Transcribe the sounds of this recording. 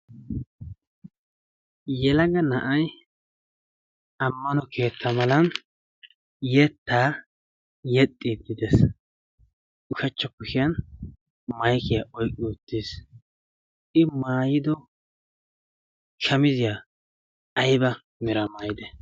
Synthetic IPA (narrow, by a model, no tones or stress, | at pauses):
jɛlɐɡɐnɐʔɐj | ɐmːɐnɔkʰe̞ːt̪ʰːɐmɐlɐn | jɛt̪ːaː | jɛt̪ʼːid̪ɪd̪ɛs | ʊʃɐt͡ʃːɔkʊʃɪjɐn | mɐjkɪjaʔɔjkʼːɪʊt̪ːis | ɪmaːjɪd̪ɔ | kʰɐmɪzɪja | ɐjbɐ | mɪɾɐmajɪd̪ɛ